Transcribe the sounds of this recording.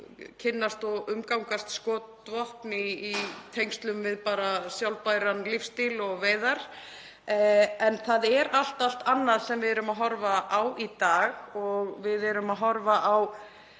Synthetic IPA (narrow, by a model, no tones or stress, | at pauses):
cʰɪnːast̪ɔɣʏmkawŋkast̪skɔːt̪vɔhpnɪːt̪ʰejŋst̪lʏmvɪðpaːɾasjawlpajɾanlifst̪ilɔɣveːjðaɾ̥ | ɛnθaðɛɾal̥t̪al̥t̪anːaðsɛmvɪðɛːɾʏmaɦɔɾvaʔawʔit̪aːɣɔɣvɪðɛɾʏmaðɦɔɾvaʔaw